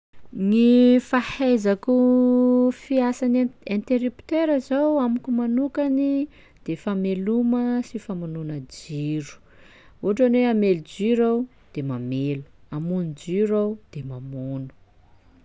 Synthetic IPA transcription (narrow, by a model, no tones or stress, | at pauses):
ŋifahajzaku | fiasanẽnt̪eɾipt̪eɾazawamukumanukani | d̪̥efameluməsifamununəd͡ʒiɾu̥ | uɦaʈ͡ʂaneamelud͡ʒiɾaw | d̪̥emamelu̥amunud͡ʒiɾawd̪̥emamunu̥